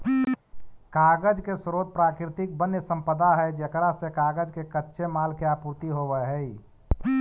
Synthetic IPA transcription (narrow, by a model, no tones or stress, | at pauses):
kaɡəd͡ʒkesɾot̪̚pɾakɾit̪ik̚bənjəsə̃mpəd̪aɦɛd͡ʒekɾasekaɡəd͡ʒkekətːʃʰemalkeapuɾt̪iɦobəɦəi